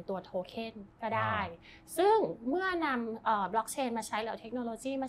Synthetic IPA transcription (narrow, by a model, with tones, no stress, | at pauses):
nt̪u˧ɐt̪ʰoː˧kʰe˥˩nkɔː˥˩daː˥˩j | sɯ˥˩ŋmɯ˥˩ɐna˧mʔɤː˨˩blɔ˦˥k̚t͡ɕʰeː˧nmaː˧t͡ɕʰa˦˥jlɛː˨˦t̪ʰe˦˥k̚noː˧loː˧t͡ɕiː˥˩ma˧˩